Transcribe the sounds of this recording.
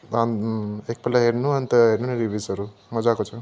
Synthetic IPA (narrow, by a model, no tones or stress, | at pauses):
anek̚pelaɦeɾnuʌnit̪ʌɦeɾnuniɾibisʌɾumʌd͡zakot͡sʰʌ